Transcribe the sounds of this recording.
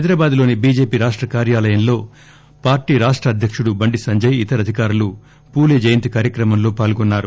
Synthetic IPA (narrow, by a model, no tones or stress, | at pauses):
ɐjd̪ɾɐːbaːd̪lo̞ːnibiːd͡ʒe̞ːpiːɾaːʂʈɾɐkaːɾjaːlɐjɐnlo̞ː | paːɾʈiːɾaːʂʈɾɐːd̪ʱjɐkʂuɽubɐɳɖisɐɲd͡ʒɐjit̪ɐɾɐd̪ʱikaːɾulu | puːljed͡ʒejnt̪ikaːɾjɐkɾɐmɐmlo̞ːpaːlɡɔnːaːɾu